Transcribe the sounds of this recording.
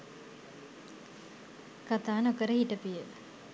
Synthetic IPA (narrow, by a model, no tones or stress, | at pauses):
kat̪aːnokəɾəhiʈəpijə